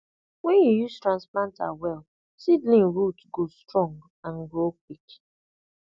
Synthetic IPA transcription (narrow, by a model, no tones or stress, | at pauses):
wɛnjijuztɹãnsplãnta̰wɛl | sidlĩnɹutɡostɹɔ̃ŋɡ | aŋɡok̚ik